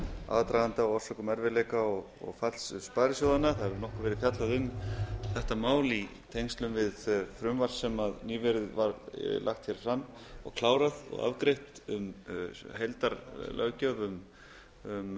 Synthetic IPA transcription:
a̰ːðt̪ɾajant̪aɔɣɔr̥sœkʏmɛɾvɪlɛːkaɔɣ | ɔ̰ɣfalsspaːjɾɪsjɔðanːaθaðɛvɪɾnɔhkʏvɛɾɪðfjat̪laðʏmθɛht̪amaːwlit̪ʰejŋst̪lʏmvɪðfɾʏmvar̥sɛmaðniːvɛɾʏðvaɾla̰xt̪çɛɾ̥fɾamːɔ̰ɣkʰlaːwɾaðɔ̰ɣa̰vkɾejht̪ʏ̰mhejlt̪aɾlʔœ̰cœvʏm | ʏm

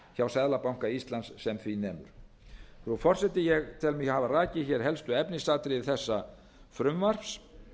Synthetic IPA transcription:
çawsɛðlapawŋ̥kaist̪lansːɛmθvinɛːmʏ̰ɾ̥ | θɾufɔr̥sɛt̪ɪjɛɣt̪ʰɪlmɪhavaraːcɪçɛɾ̥ɦɛlst̪ʏɛpnɪst̪aːt̪ɾɪɪθɛsːa | fɾʏmvar̥fs

